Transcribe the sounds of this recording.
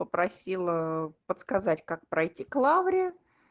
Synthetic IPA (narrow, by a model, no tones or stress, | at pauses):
pəpɾɐsʲilˠəpət̪skɐzatʲkak̚pɾʔɐjtʲiklˠavɾʲɪə